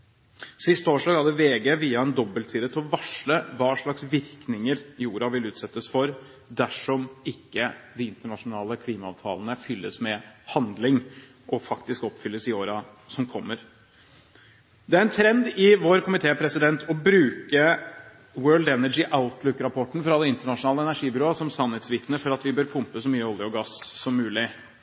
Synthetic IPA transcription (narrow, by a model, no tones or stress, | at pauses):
sɪst̪oːʂɖɑːɡhɑd̪əʋeːɡeʋiːɑɛnd̪ɔbəlt̪ʰiːd̪ət̪ʰɪlɔʋɑʂɭəʋɑːʂɭɑksʋɪɾknɪŋəɾjuːɾɑʋɪlʉːt̪sɛt̪ːəsfɔɾ | d̪æʂɔmɪkːəd̪ɪɪnt̪əɳɑʂʊnɑːləkʰliːmɑɑ̰ːʋt̪ʰɑ̰ːlənəfʏlːəsmɛhɑnd̪lɪŋ | ʔɔfɑkt̪ɪskɔpːfʏlːəsɪoːɾɑ | sɔmkʰɔmːəɾ | d̪ɛæɾɛnt̪ʰɾɛnd̪ɪʋoːɾkʰʊmɪt̪ʰeːpʰɾɛsɪd̪ɛnt̪ʰɔbɾʉːkə | wɜːlɖ̪ɛnəd͡ʒɪʔaʊt̪lʉkːɾɑpʰɔʈːn̩fɔɾɑd̪ɛɪnt̪əɳɑʂʊnɑːləɛnæɾʂiːbʏɾoːsɔmsɑnhɛt̪sʋɪt̪nəfɔɾɑt̪ʋɪbøːɾpʰʊmpəsɔmyːəɔlɪəɔɡɑssɔmːʉːlɪ